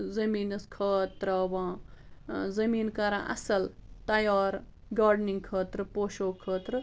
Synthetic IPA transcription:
zɐmiːnɐskʰɐːt̪ɾɐʋã | zɐmiːnkɐɾãʔɐ̰sɐlt̪ɐjaːɾ | ɡaːɾɖniŋɡ̚kʰəːt̪ɾpoːʃoːkʰːəːt̪ɾ

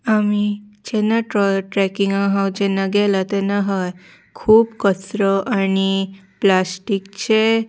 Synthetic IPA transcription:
amid͡ʑɛnaʈɾɔləɾʈɾɛkiŋãɦawd͡ʑɛnːaɡɛlat̪enaɦaj | kʰuːbkəsɾəʔañiplasʈikt͡ɕe

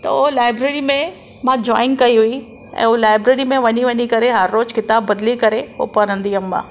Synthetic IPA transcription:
t̪ɐ̰ʊlaːɪbɾeːɾimẽ | mãːd͡ʑɔːɪ̃ŋɡkɐiɦui | ɛ̰̃ːolaːɪbɾeːɾimẽʋɐɲiʋɐɲikɐɾeɦɐɾːoːzkɪt̪aːbːɐd̪likɐɾeɦo̰pɐɾə̃nd̪iɐmːã̰ː

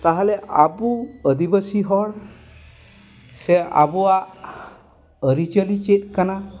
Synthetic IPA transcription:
t̪aɦaleʔabuəd̪ibəsiɦɔɽ | sea̰buaʔ | əɾit͡ʃəlit͡ʃet̪̚kana

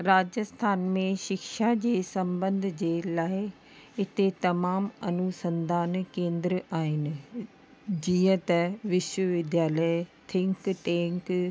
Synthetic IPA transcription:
ɾaːd͡ʑəst̪ʰaːnmẽʃɪkʃad͡ʑeːsɐ̃mbə̃nd̪ʱd͡ʑeːlaːɪ | ɪt̪et̪ɐmaːmɐnusə̃nd̪ʱaːnkẽːnd̪ɾəaːɦɪnɪ̆ | d͡ʑiːə̃t̪ɐʋɪʃwəʋɪd̪ʱjaːlət̪ʰɪ̃ŋkʈeːŋk

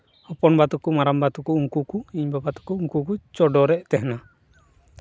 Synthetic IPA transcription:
hɔpɔnbat̪ukumaɾambat̪ukuːŋkukuiɲbabat̪u̥kuːŋkukut͡ʃɔdɔɾɛʔt̪ɛhna

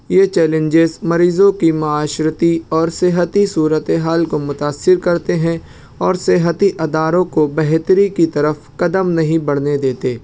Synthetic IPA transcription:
jeːt͡ʃɛːlə̃ɲd͡ʒezmɐɾiːzõkimʊaːʃɾət̪iɔːɾseɦət̪isuːɾət̪eɦaːlkomʊt̪aːsːɪɾkɐɾt̪eɦɛ̃ | ɔːɾseɦət̪iʔɐd̪aːɾõkobɛɦt̪əɾikit̪ɐɾəfkɐd̪əmnɐɦĩbɐɽ̤ned̪eːt̪eː

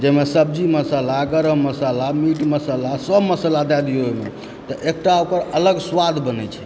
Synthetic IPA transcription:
d͡ʒemesəb̚d͡ʒiməsəlaɡəɾəɦməsəlamiʈməsəlasəbməsəlad̪ɛd̪iɦojme | t̪ɔʔek̚ʈaokəɾələɡswad̪ʱbənɛt͡ʃʰɛ̥

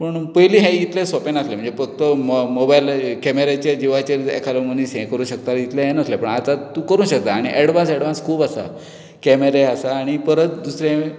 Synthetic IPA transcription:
pəɳpəjliːɦɛ̃jit̪lesɔpenaslem̤əɳd͡zefək̚t̪əmobajlkɛmeɾet͡ɕjad͡ʑiʋat͡ɕeɾḛkʰalomənisɦɛ̃kəɾũːɕək̚t̪ait̪laɦɛ̃nəslepəɳat̪at̪ːũkəɾũɕək̚t̪aːɽ̃iʔɛɽʋansɛɽʋanskʰuːbasa̰ | kɛmeɾeasaːɽ̃ipəɾət̪d̪usɾẽɦẽ

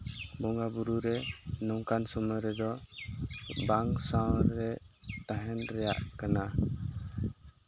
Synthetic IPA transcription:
bɔŋɡabuɾuɾɛnɔŋkansumɔɾɛd̪ɔ | baŋsawɾɛt̪aɦɛnɾɛja̰ʔkana

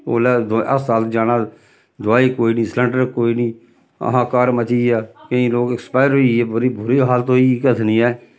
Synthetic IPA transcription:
o̰ːlɛːd̪ə̰ssaːlt̪d͡ʒaːnãː | d̪ʊaːiːkoːiːnĩːsləɳɖəɾkoːiːnĩː | ə̰ɦãːkaːɾmət͡ʃiːaːkəĩːloːkɪkspaːɪɾɦoiɛːbʊɾibʊɾiːɦaːlt̪oiːkət̪ʰniːɛː

